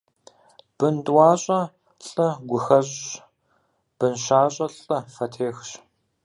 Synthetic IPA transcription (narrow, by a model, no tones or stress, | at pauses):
b̥ɨntʼwaːɕʼɐ | ɬʼɐɡʷʊxɐʑɕ | b̥ɨnʃaːɕʼɐɬʼɐfɐtʰeːxɕ